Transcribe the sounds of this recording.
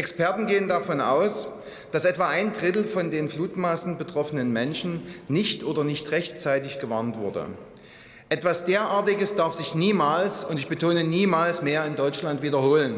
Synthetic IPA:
ʔɛkspɛɐtn̩ɡeːəndafɔnʔa̰ʊs | d̥asʔɛtv̥aːʔaɪndʁɪtl̩fɔndeːnfluːtmaːsn̩bətʁ̥ɔfənənmɛnʃn̩nɪçtʔoːdɐnɪçtʁɛçt͡saɪtɪçɡ̥əvaɐntv̥ʊɐdə̰ | ʔɛtv̥asd̥eːɐʔaːɐtɪɡəsd̥aɐfz̥ɪçniːmaːlsʊntɪçb̥ətʰoːnəniːmaːlsmeːɐɪndɔʏt͡ʃlantv̥iːdɐhoːlən

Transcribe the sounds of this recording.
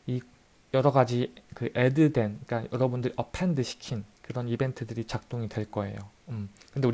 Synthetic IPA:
i | jʌɾʌɡad͡ʑikɯʔedɯde̞nk͈ajʌɾʌbundɯɾiʔʌpʰendɯɕʰi̥kʰinkɯɾʌnibe̞ntʰɯdɯɾit͡ɕak̚t͈oŋidwe̞ɭk͈ʌe̞̰jo̰ɯmkɯndeu

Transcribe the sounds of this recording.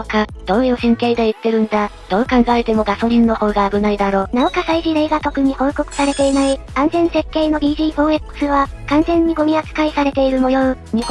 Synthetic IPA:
kad̪̥õ̞ːjɯ̟ːsẽŋke̞ːd̪eɯ̟t̪ːe̞ɾɯ̟̃nd̪ad̪̥o̞ːkãŋɡaet̪e̞mo̞ɡaso̞ɾʲĩnːo̞ho̞ːɡaːbɯ̟naid̪aɾo̞ːnao̞kasaiʑiɾe̞ːɡat̪o̞kɯ̟ɲ̟iho̞ːko̞kɯ̟̥saɾe̞t̪e̞inai | ãnzẽ̞ɰ̃se̞kːe̞ːno̞d̪ʲiːʑiːboːekːɯ̟̥sɨβakãnzẽ̞ɲ̟ːiɡo̞mʲiat͡sɨ̥kaisaɾe̞t̪e̞iɾɯ̟mo̞joɯ | ɲ̟ih

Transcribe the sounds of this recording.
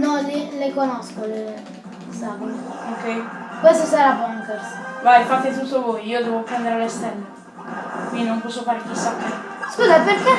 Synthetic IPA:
nɔlilekonɔskole | sakolookɛjkwest̪osaɾavɔnfɛɾsvajfat̪ːet̪̬ut̪ːovojiːod̪ɛːvopɾɛnd̪eɾelest̪ɛlːe | kwind̪inõmpɔsːofaːɾek̟isːakːe | skuːzapeɾkɛ

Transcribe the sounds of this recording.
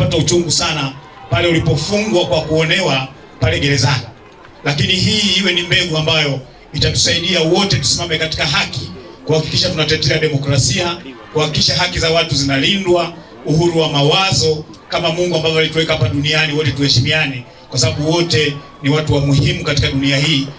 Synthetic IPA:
pataut͡ʃuŋɡusana | palɛulipɔfuŋɡwakwakuɔnɛwa | palɛɡɛɾɛzani | lakiniɦiːiwɛnimbɛɡuambajɔ | itatu̥saiɗiawɔtɛtu̥simamɛkati̥kaɦakikuhaki̥kiʃatunat̬ɛtɛaɗɛmɔkɾasiakuhakikiʃaɦakizawatuzinalindwa | uhuɾuwamawazɔkamamuŋɡuambavɔalituwɛkahapaɗunianiwɔtɛtuhɛʃimiani | kwasaɓaɓuwɔtɛ | niwatuwamuhimukati̥kaɗuniahiː

